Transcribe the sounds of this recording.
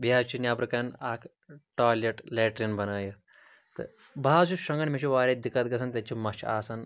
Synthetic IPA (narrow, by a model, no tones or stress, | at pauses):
biat͡ʃiːnjapɾɐkanaːkʰ | ʈaːleʈlɛːʈɾinbɐnaːjet̪ | t̪ə̰ | bʱaːd͡ʑuʃɐŋɡənmeʃiʋaːɾed̪ikat̪ɡɐs̬ant̪ʲat͡ɕiːmɐt͡ʃa̰ːsan